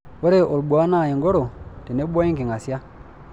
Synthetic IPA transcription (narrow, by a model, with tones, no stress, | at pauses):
wo˦ɾe˦ʔo˨lɓwa˨˦na˦˨je˨ŋɡo˦ɾo˨te˨ne˦ɓɔ˦i˦ŋɡi˨ŋa˨sja˦